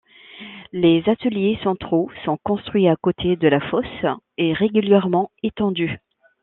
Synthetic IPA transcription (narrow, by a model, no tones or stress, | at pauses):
lezat̪əljesɑ̃t̪χosɔ̃kɔ̃st̪χɥiakot̪ʰed̪əlafɔs | eʁeɡʲyljɛʁmɑ̃et̪ɑ̃d̪y